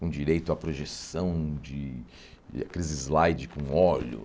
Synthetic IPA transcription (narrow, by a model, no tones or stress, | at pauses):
kõd͡ʒiɾejt̪ʊapɾoʒesɐ̃w̃d͡ʒɪ | a̰kɾizɪzlajd͡ʒɪkõɔʎʊ̰